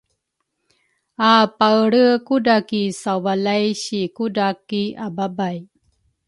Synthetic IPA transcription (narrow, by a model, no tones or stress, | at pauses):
apaɽəkudakisawvalajɕikudakiababaj